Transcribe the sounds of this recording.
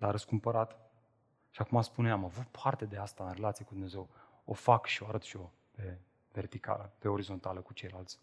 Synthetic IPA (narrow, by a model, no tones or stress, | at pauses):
laɾəskumpəɾat̪ | ʃiakumaspuneamavut̪̚pʰart̪e̞d̪e̞ast̪aɨnɾe̞lat̪siekud̪umne̞ze̞w | o̰fakʃio̞aɾət̪ʃio̞ | pe̞ | ve̞rt̪ika̰ləpe̞o̞ɾizo̞nt̪aləkut͡ʃe̞jlalt̪sʲ